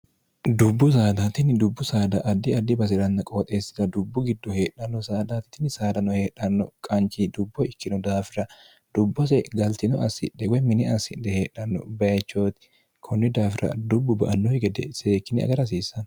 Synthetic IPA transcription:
d̪ʊbːʊs̬aːd̪aːt̪ɪnd̪ʊbːʊsaːd̪ɐʔɐd̪ːɪɐd̪ːɪbɐs̬ɪɾɐnːɐkʼoːt̪ʼeːsɪ̥d̪ɐd̪ʊbːʊɡɪd̪ːɔhe̞ːᶑɐnːɔsaːd̪aːt̪ɪ̥t̪ɪnsaːd̪ɐnːɔhe̞ːᶑɐnːɔkʼɐnt͡ʃid̪ʊbːɔɪkːɪnɔd̪aːfɪɾɐ | d̪̥ʊbːɔs̬ɛɡɐlt̪ɪnɔʔɐsɪ̰ᶑɛwɔjmɪnɛɐsɪ̰ᶑɛheːᶑɐnːɔ̰bɐjɐt͡ʃːo̞ːt̪ɪ̥ | kʰɔnːɪd̪aːfɪɾɐ̰d̪ʊbːʊbɐ̰ʔɐnːɔjɪɡɛd̪ɛ̰se̞ːkːɪnɪɐ̰ɡɐɾɐs̬iːsːɐn

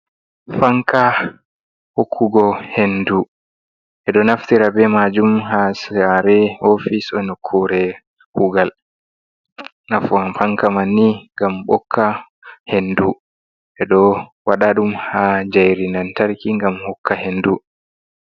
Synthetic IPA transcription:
faŋkʰa | hokʰːuɡɔhendu | ʔɛɗɔnaftiɾabɛmad͡ʒumhasaɾɛofisɔnɔkʰːuɾɛ | huɡal | naffaŋkamanːiŋɡamɓɔ̰kʰːa | hendu | ʔɛɗɔwaɗaɗumhad͡ʒajɾinantaɾkiŋɡamhɔkʰːahendu

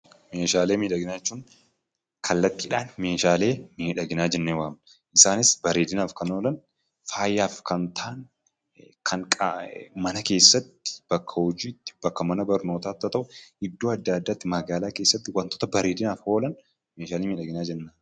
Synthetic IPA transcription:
me̞ːʃaːle̞ːmiːᶑɐɡɪnaːɛt͡ʃːuːŋ | kʰɐlːɐt̪ːɪːᶑaːnmeːʃaːle̞ːmiːᶑɐɡɪnaːd͡ʒɛnːewaːmɐ | ʔɪsaːnɪsbɐɾeːd̪ɪnaːfkɐno̞ːlɐn | faːjːaːfkɐnt̪ʰaːn | kʰɐŋkʼmɐnɐke̞ːsːɐt̪ːɪ̥b̥ɐkʰːɐhɔd͡ʒiːt̪ːɪ̥b̥ɐkːɐmɐnɐbɐɾno̞ːt̪aːt̪ːɐt̪ɐʔʊɪd̪ːoːɐd̪ːaːɐd̪ːaːt̪ːɪmɐɡaːlaːkeːsːɐt̪ːɪwɐnt̪oːt̪ɐbɐɾeːd̪ɪnaːfho̞ːlɐn | me̞ːʃaːleːmiːᶑɐɡɪnaːd͡ʒɛnːaː

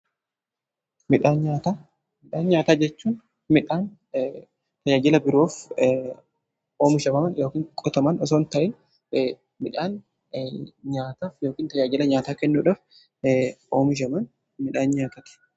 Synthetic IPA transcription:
mɪᶑaːnɲaːt̪aː | mɪᶑaːnɲaːt̪aːd͡ʒɛt͡ʃːuːn | mɪᶑaːn | t̪ɐd͡ʒaːd͡ʒɪlɐbɪɾoːf | o̞ːmʊʃɐmɐmɐnjoːkiːŋkʼɔt̪ɔmɐnɔs̬oːnt̪ɐʔɪn | mɪᶑaːn | ɲaːt̪aːfjoːkiːnt̪ɐd͡ʒaːd͡ʒɪlɐɲaːt̪aːkɛnːuːᶑaːf | o̞ːmʊʃ̬ɐmɐn | mɪᶑaːnɲaːt̪ɐt̪ɪ̥

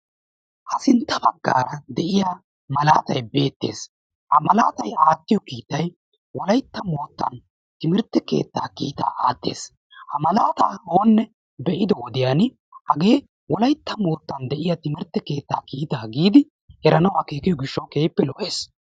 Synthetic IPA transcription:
ʔɐsɪnt̪ːɐbɐɡːa̰ːɾɐd̪ɛʔɪjaː | mɐla̰ːt̪ɐjbe̞ːt̪ːḛːs | hɐmɐla̰ːt̪ɐjaːt̪ːɪjɔkiːt̪ːɐj | wɔlɐjt̪ːɐmo̞ːt̪ːɐ̰n | t̪ɪmɪɾt̪ːɛkḛːt̪ːa̰ːkḭːt̪a̰ːʔaːt̪ːe̞̰ːs | hɐmɐlaːt̪a̰ːhoːnːɛ | bɛʔɪd̪ɔwɔd̪ɪjaːn | hɐɡe̞ː | wɔlɐjt̪ːɐmo̞ːt̪ːɐnd̪ɛʔɪjaːt̪ɪmɪɾt̪ːɛkeːt̪ːa̰ːkiːt̪aːɡiːd̪ɪ | ɛɾɐnɐwaːke̞ːkɪjɔɡɪʃːɐwke̞ːpːɛlɔʔeːs

